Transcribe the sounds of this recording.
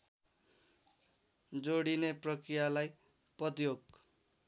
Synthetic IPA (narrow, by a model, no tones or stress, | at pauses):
d͡zoɽineprʌkrijalaj | pʌt̪ijoɡ̚